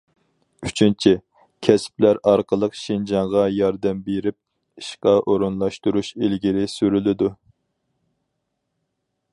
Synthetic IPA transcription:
yt͡ʃʰynt͡ʃʰi | kʲʰɛsp̚læɾɑɾqəlˠəqʃind͡ʒɑŋʁɑjɑɾd̪ɛmbeɾɪp̚ | iʃqɑʔoɾunlˠɑʃt̪uɾuʃelɡʲiɾɪsyɾylɪd̪u

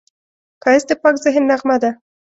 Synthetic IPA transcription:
kɑjɪsd̪əpɑkzɪɦɪnːaʁmad̪a

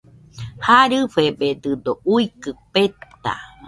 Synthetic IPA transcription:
haɾɨɸebed̪ɨd̪ouikɨpet̪a̰

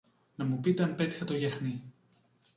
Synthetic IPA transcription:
nɐmupit̪eɐmpe̞t̪i̥xɐt̪o̞ʝɐxni

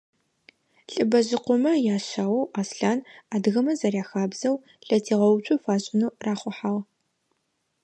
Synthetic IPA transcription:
ɬʼɨbɐʑɪqʷʊmɐjaːɕaːwɐwʔaːsɬaːnaːdɣɐmɐzɐrjaːxaːbzɐw | ɬʼɐtʰiːʁɐwt͡ʃʷʰʼʊfaːɕʼɪnuːraːχʷʊħaːʁ

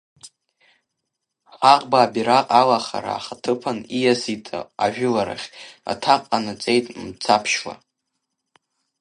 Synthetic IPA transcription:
ħaqʼbaːbiɾaqʼalaχa̰ɾa̰ːχatʰɨpʰanijazitʼɨ̰aʒᶣʊlaɾa̰χʲa̰tʰaqʼanɨt͡sʼe̞jtʼmt͡sʰapʰʃla̰

